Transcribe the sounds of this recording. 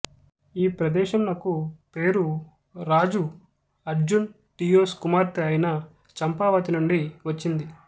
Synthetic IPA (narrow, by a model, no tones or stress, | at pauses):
iːpɾɐd̪ɛːʃɐmlɐkupe̞ːɾu | ɾaːd͡ʒu | ɐɾd͡ʒun | ʈiːjoːskumaːɾt̪iɐjnɐ | t͡ʃɐmpaːʋɐːt̪inuɳɖiʋɐt͡ʃːind̪i